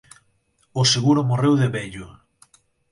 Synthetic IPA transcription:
ʊseɣuɾʊmorewðeβɛʎʊ

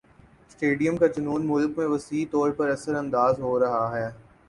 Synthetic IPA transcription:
sʈeːɖijəmkat͡ʃʊnuːnmʊlkmẽʋɐsiːt̪ɔːɾpɐɾɐsəɾɐ̃nd̪aːzɦoːɾɐɦaɦɛː

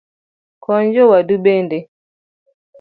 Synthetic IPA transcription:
kɔɲd͡ʒɔwadubende

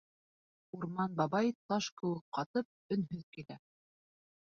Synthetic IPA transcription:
uɾmɑnbɑβɑjt̪ɑʃkɘ̆wɘk̚qɑt̪ɤp̚ɵ̆nɦɵðkilæ

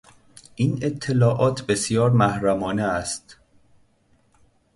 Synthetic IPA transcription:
ʔiːnet̪ʰːe̞lɒːʔɒːt̪ʰbe̞sjɒːɾmæhɾæmɒːneæst̪

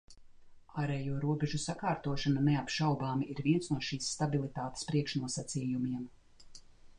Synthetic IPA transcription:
aːɾɛːjuɔɾuɔbeʒusakaːɾt̪uɔʃananeapʃawbaːmiːɾvʲiɛnsnuɔʃiːsːt̪abilˠit̪aːt̪e̥spɾiɛkʃnuɔsat̪siːjumiɛm

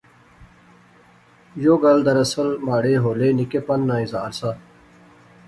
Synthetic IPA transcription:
joːɡɐld̪ɐɾɐsəlmaːɽeːɦoːleːnikepɐnːãːizaːɾsaː

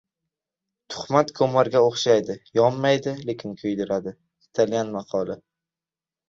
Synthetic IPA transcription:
t̪ʰʊ̥χmat̪kʰɵmaɾɡʲaoχʃajd̪ɪjɒmːajd̪ɪle̞kʲʰɪnkʰɵjd̪ɪɾad̪ɪ | kʲʰɪ̥t̪ʰalɡʲanmɑqʰɒlˠa

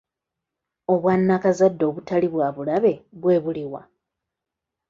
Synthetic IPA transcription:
o̞βwanːakazadːo̞ːβutaliβwaːβulaβe̞βwe̞ːβuliwa̰

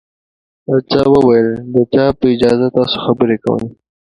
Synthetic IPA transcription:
at͡ʃɑwəwajəld̪ət͡ʃɑpəɪd͡ʒɑzat̪ɑso̥xabəɾekawə̰j

